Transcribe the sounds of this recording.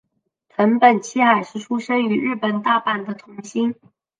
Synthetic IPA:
t̪ʰə˧˥npə˨˩nt͡ɕʰi˥xa˨˩ɪʂɻ̩˥˩ʈ͡ʂʰu˥ʂə˥ŋy˧˥ɻɻ̩˥˩pə˨˩nt̪a˥˩pa˥˩nd̪ə˨t̪ʰʊ˧˥ŋɕi˥n

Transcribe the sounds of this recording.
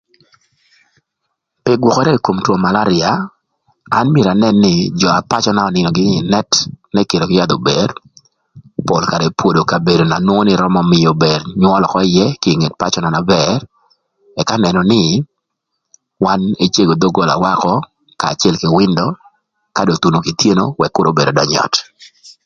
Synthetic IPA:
pɪ˦ɡwɔ˨kɔ˦ɾɛ˦˨ko˨mtwo˨ma˨la˦ɾɪa˨ | a˦nmje˨ɾa˨nɛ˨nːɪ˦d͡ʒɔ˨a˨pa˦t͡ʃɔ˦na˦ɔ˨nɪ˨nɔ˨ɡɪ˦ɲ˦ɪ˨nɛ˦tnɛ˦ke˨ɾo˨ɡɪ˦ja˦d̪o˨bɛ˨r | po˨lka˨ɾɛ˨pwo˨do˨ka˨be˨do˨na˨nwo˦ŋo˦nɪ˦ɾɔ˦mɔ˦mɪ˨jo˨bɛ˨ɾɲwɔ˦lɔ˨kɔ˦ɪ˦jɛ˦kɪ˦˨ŋe˨t̚pa˦t͡ʃɔ˦na˨na˨bɛr | ɛ˨ka˦nɛ˨nɔ˨nɪ˦ | wa˦ne˦t͡ʃje˦ɡo˨d̪o˦ɡo˨la̰˨wa˦kɔ˦ | ka̰ː˨t͡ʃɛ˦lkɪ˨wɪ˦ndɔ˦ | kado˨t̪u˨no˨ki˨t̪je˦no˦wɛ˨kːʊ˦ɾo˨˦be˨do˨dɔ˨ɲɔ̰˨t

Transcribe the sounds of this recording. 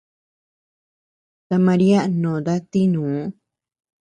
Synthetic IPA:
t̪a˧mã˧ɾi˦a˦nõ˨d̪a˦t̪i˦nũː˨˦

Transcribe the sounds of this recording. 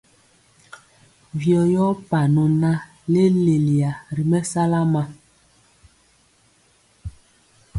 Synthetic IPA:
vjɔ˨jɔ˦pa˨nɔ˨na˦ | le˦le˨li˨a˨ɾi˨mɛ˦sa˦la˦ma˨

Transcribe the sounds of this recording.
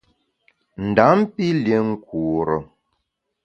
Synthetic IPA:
n̩˨da˨˦m˦pi˦lje˨˦ŋ̩˦kuː˨ɾə˨

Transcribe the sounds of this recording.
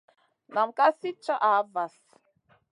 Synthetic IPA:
na˨m̩˨ka˦si˦t͡ʃa˦ʔa˨˦va˨s

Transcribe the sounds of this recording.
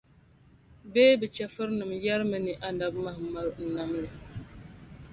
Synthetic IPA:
bɛː˦bɨ˨t͡ʃɛ˨fɨ˦ɾnɨ˨mjɛ˦ɾmɨ˦nɨ˨ʔa˨na˨bma˦hma˦ɾn̩˨na˦mlɨ˨

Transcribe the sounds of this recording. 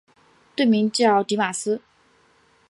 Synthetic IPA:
t̪we˥˩ɪmi˧˥ŋt͡ɕjɑ˥˩ʊt̪i˧˥ma˨˩sɹ̩˥

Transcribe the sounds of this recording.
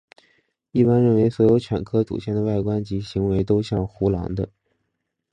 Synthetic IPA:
i˥˩pa˥nɻə˥˩nwe˧˥ɪswɔ˧˥jo˧˥ʊt͡ɕʰɥɛ̰˨˩nkʰɤ˥t͡sṵ˨˩ɕjɛ˥˩nd̪ə˩˦wa˥˩ɪkwa˥nt͡ɕi˧˥ɕi˧˥ŋwe˧˥ɪt̪̬o˥ʊɕjɑ˥˩ŋxu˧˥lɑ̰˧˥ŋd̪ə˧

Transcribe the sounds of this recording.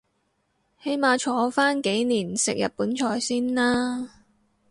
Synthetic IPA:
he˨˥jmaː˨˧t͡ʃʰɔː˨˧faː˥nke˨˥jniː˨˩nsɪ̰˨k̚jɐ̰˨t̚puː˨˥nt͡ʃʰɔː˨˩jsiː˥nlaː˥

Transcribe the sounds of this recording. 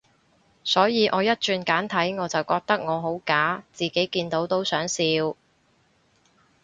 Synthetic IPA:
sɔː˨˥jiː˨˧ʔɔː˨˧jɐ˥t̚t͡ʃyː˧nkaː˨˥nt̪ʰɐ˨˥jŋɔː˨˧t͡sɐ˨˩wkɔː˧k̚t̪ɐ˥k̚ŋɔː˨˧ɦo˨˥wkaː˨˥t͡siː˨ke˨˥jkiː˧nt̪o˨˥wt̪o˥wsœː˨˥ŋsiː˧w

